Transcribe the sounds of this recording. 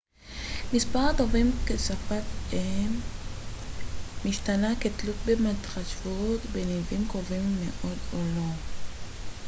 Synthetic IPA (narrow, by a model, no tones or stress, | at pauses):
mispaʁat̪ovimkesafatem | iʃtanaket̪lut̪̚bematχaʃvut̪benevimkovimːḛʔo̞d̪olo